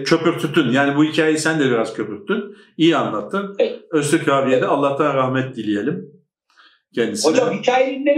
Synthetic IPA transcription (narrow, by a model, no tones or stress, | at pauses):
cʰø̞pyɾt̪ʰyt̪ynjaːnibuhicʰaːjisænd̪ɛbiɾaz̥cʰø̞pyɾt̪yn | ijianlˠat̪ʰːɯnøst̪ʰɛcʰaːbijed̪ɛalˠːaht̪ʰanɾahmɛt̪̚d̪ilʲije̞lʲim | cʰɛnd̪isod͡ʒamhicʰaːjelinlʲe